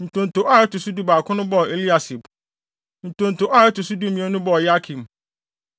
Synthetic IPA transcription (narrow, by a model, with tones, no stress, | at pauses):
n̩˨tʰʊ̃˨n̩˨tʰʊ˨ʔa˦ɛ˦tʊ˨su˦du˦baː˨kʰʊ̃˦nʊ̃˦bɔ˦˨e˨li˦a˨si˨b | n̩˨tʰõ˨n̩˨tʊ˨ʔa˦ɛ˦tʊ˨su˦du˦m˦mĩ˨ɛ˦nʊ̃˦bɔ˦˨ja˦kʰĩ˨m